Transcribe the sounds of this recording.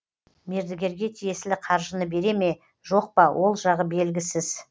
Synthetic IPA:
me̞ɾd̪ɪɡʲe̞ɾɡʲe̞t̪ʰije̞sɪlɪqʰɑɾʒənəbe̞ɾe̞me̞ | ʒo̞q̚pɑwʔo̞lˠʒɑʁəbe̞lɡʲɪsɪz

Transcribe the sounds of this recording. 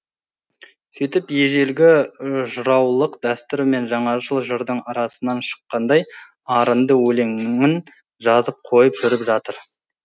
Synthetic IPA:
sijt̪ɪpje̞ʒe̞lɡʲɪʒʊɾɑwlˠəqd̪æst̪ʏɾme̞nʒɑɴɑʒəlˠʒəɾd̪əɴɑɾɑsənɑnʃə̥qːɑnd̪ɑj | ɑɾənd̪əwɵle̞ŋŋɪn | ʒɑzəp̚qʰo̞jəpʒʏɾɪpʒɑt̪əɾ

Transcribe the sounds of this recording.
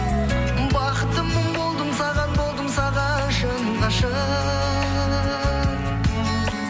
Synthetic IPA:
bɑqət̪ːəmːəmbo̞lˠd̪əmsɑʁɑnbo̞lˠd̪əmsɑʁɑ | ʃənɑʃə

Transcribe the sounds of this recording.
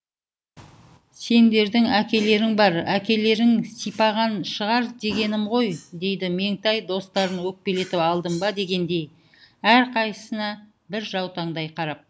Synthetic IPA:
se̞nd̪e̞ɾd̪ɪŋækʲe̞le̞ɾɪŋbɑɾækʲe̞le̞ɾɪŋsijpɑʁɑnʃəʁɑɾd̪e̞ɡʲe̞nɪmʁo̞jd̪e̞jd̪ɪme̞ŋt̪ɑjd̪o̞st̪ɑɾənwɵk̚pe̞le̞t̪ɪpɑlˠd̪əmbɑd̪e̞ɡʲe̞nd̪e̞j | æɾqʰɑjə̥sənɑ | bɪɾʒɑwt̪ɑɴd̪ɑjqʰɑɾɑp̚

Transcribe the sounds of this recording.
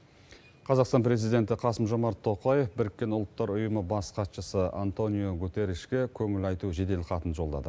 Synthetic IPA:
qʰɑzɑqst̪ɑnpɾe̞zijd̪e̞nt̪ɪqʰɑsəmʒo̞mɑɾt̪ʰːo̞qɑjefbɪɾɪkʲːe̞nʊlˠt̪ːɑɾʊjəməbɑsqʰɑt̪ʃəsəa̰nt̪o̞nijoɡut̪e̞ɾiʃkʲe̞kʲʰɵŋɪlɑjt̪uʒe̞d̪e̞lqʰɑt̪ənʒo̞lˠd̪ɑ̰d̪ə

